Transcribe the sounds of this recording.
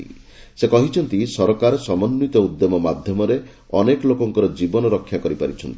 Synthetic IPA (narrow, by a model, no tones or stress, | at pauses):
ḭ | sekɔɦit͡ʃʰɔnt̪isɔɾkaɾɔsɔmɔnːit̪ɔud̪ːemɔmad̪ʱjɔmɔɾe | ɔnekɔlokɔŋkɔɾɔd͡ʒibɔnɔɾɔkʰːjakɔɾipaɾit͡ʃʰɔnt̪i̥